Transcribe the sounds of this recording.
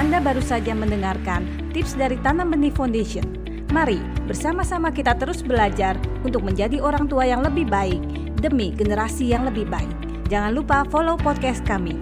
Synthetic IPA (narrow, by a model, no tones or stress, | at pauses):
ʔandabaɾusad͡ʒaməndəŋarkan | t̪ɪpsdaɾit̪anambənifandeʃiən | maɾi | bərsamasamakit̪at̪əɾʊsbəlad͡ʒarunt̪ʊk̚məɲd͡ʒadioɾaŋt̪uajaŋləbɪhbaɪk̚ | dəmiɡənəɾasijaŋləbɪhbaɪk̚ | d͡ʒaŋanlupafolopɔt̪̚kɛst̪̚kami